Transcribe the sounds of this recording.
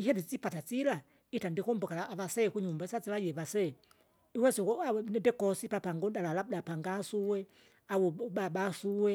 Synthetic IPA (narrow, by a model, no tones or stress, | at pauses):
iɦɛdit͡sipatat͡sila | itandikɔmbɔkalaːʋasɛkuɲumbasat͡siʋajɛʋasɛ | iwɛsiɔanɛndɛkɔsipapaŋɡɔdalalab̚dapaŋɡasuwɛ | awuɓaɓasuwɛ